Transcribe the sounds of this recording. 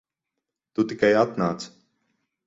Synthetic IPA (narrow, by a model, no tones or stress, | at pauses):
t̪ut̪ikajat̪naːt̪s